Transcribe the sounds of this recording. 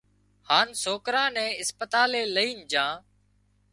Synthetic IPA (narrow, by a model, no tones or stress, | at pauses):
haːnsoːkɾãːnɛ̃ːɪspət̪aːleːləiːnd͡ʒãː